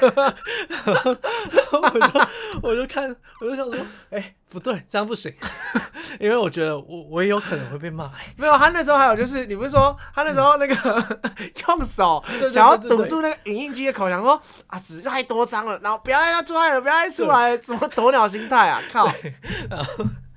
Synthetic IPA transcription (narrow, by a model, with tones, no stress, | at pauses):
wɔ˨t͡ɕo˥˧ʊkʰa˥˨n | wt͡ɕo˥˧ɕjɑ˨˩ʂwɔ˥e˥˩ɪ | pu˨˦˥t̪we˥˩ɪt͡sə˥˧jɑ˥˧ŋpu˥˩ʂi˨˩˦ | i˥nwe˥˩ɪwɔ˨˩t͡ɕɥɛ˧˦˥d̪ə˧wɔ˨˩we˧˥ɪjo˧˥ʊkʰnə˧˦ŋxwe˥˧ɪpe˥˧ma˥˩˨wʰa˥˧n˥˩ʂ̬̩˧˥o˥˧a˧˥jo˨˩t͡ɕjʂɻ̩˥˩ni˨˩pu˥ʂu˥˩ʂwɔ˥a˧˥˦na˥˩ʂ̬̩˧o˥˧ʊna˥˩ɡə˨˩jɔ˥˨ŋso˨˦ɕa˨ŋjɑ˥˩˧ɤ˨˩ʈ͡ʂu˥˧˦na˥˩ɡə˨˩ʔy˨˩ni˥˩ŋt͡ɕi˥də˨˧kʰo˨ʊɕjɑ˨˩ŋswɔ˥ | ʔa˨˩ʈ͡ʂɻ̩˨˩t̪a˥˩ɪt̪wɔ˥t͡sɑ˥ŋlə˨na˧˦ŋho˥˩pu˧jɑ˥t̪a˥ɪa˥ʈ͡ʂʰu˥a˧ɪlə˨˩p̬j̪ʰa˥˩ɪʈ͡ʂʰu˥la˧˦ɪsə˨˩nmə˨˩t̪o˧˥˦njɑ˨˩ʊɕ̬i˧˥ŋt̪ʰa˥˩ɪa̰˨˩kʰa˥˩na˧˨˦